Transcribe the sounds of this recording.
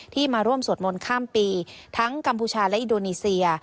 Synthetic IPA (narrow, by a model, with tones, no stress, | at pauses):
t̪ʰiː˥˩maː˧ɾu˥˩əmsu˨˩ət̪̚mo˧nkʰaː˥˩mpiː˧t̪ʰa˦˥ŋka˧mpʰuː˧t͡ɕʰaː˧lɛ˦˥ʔi˧ndoː˧niː˧si˧ɐ